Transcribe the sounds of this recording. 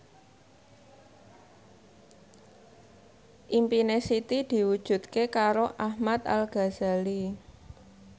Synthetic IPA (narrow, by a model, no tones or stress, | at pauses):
ʔimpinesit̪id̪̥i̤wud̥ʒ̥ṳt̪kekaɾoʔahmat̪̚alɡ̥a̤z̥a̤li